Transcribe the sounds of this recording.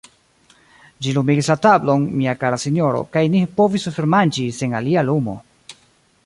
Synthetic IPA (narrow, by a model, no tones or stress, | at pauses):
d͡ʒilumiɡislatablo̞nmiakaɾasino̞ɾo̞̰kajnipo̞visfeɾmand͡ʒise̞ŋalialumo̞̰